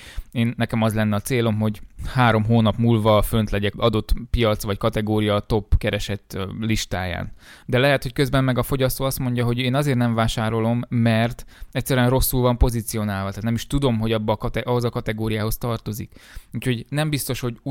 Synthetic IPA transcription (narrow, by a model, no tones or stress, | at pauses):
eːnːɛkɛmɒzlɛnːɛɒt̪seːlo̞mɦo̞ɟhaːɾo̞mɦoːnɒpmuːlvɒfø̞nt̪lɛɟɛkɒd̪o̞t̪pijɒt̪sʋɒckɒt̪ɛɡoːɾijɒt̪o̞pːkɛɾɛʃɛt̪ːliʃt̪aːja̰ːnd̪ɛlɛɦɛt̪ho̞ckøzbɛnmɛɡɒfo̞ɟɒst̪oːɒst̪mo̞ɲɟɒɦo̞ɟeːnɒzeːrtnɛɱvaːʃaːɾo̞lo̞mːɛrt̪ɛcʲsːɛɾyɛnro̞sːulvɒmpo̞zit̪sijo̞naːlvɒt̪aːt̪nɛmiʃt̪ud̪o̞mɦo̞ɟɒbːɒkɒt̪ɛʔɒɦozɒkɒt̪ɛɡoːɾijaːɦo̞st̪ɒrt̪o̞zikuːcʰho̞ɟnɛmbist̪o̞ʃho̞ɟ